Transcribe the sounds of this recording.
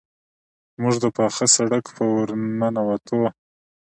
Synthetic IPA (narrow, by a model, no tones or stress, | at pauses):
muʐd̪əpaxasaɽakpəwɾnanawat̪ʰo